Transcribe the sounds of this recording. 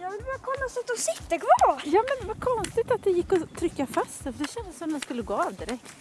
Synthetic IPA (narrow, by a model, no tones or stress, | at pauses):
jɑːvɪlbɑːɾakʰɔmːasat̪ːɔsɪt̪ːəkʰvɑːjɑːmɛnvakʰɔnst̪ɪt̪at̪̚d̪ɛjɪkːɔt̪ʰɾʏkːafast̪fəɖ̪ɛɕɛnd̪əsɔmd̪ɛnskɵlːəɡoːɑːvd̪ɪɾɛkt̪